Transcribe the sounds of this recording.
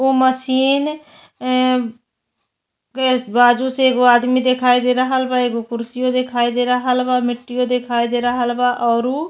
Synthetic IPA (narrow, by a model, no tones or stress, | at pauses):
oːməsiːn | baːd͡ʒuːseːɡoːaːd̪miːd̪eːkʰaːiːd̪eːɾəɦəlbaːeːɡoːkʊɾsɪjõːd̪eːkʰaːiːd̪eːɾəɦəlbaːmɪʈːɪjõːd̪eːkʰaːiːd̪eːɾəɦəlbaːʔɔːɾuː